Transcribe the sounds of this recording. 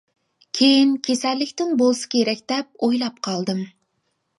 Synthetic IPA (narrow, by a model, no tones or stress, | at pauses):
kʲʰejinkʲʰesælːɪkʲt̪ɪŋbolˠsɪ̥kʲʰeɾɛkʲd̪̥ɛp̚ojlˠɑp̚qʰɑlˠd̪ɨm